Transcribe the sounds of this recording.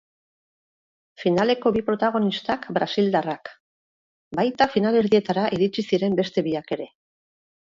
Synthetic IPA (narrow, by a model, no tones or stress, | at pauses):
finale̞ko̞βipɾo̞t̪aɣ̞o̞nist̪akbɾasild̪arak | bajt̪afinale̞ɾðie̞t̪aɾaʔiɾit͡ʃisiɾe̞mbe̞st̪e̞βiake̞ɾe̞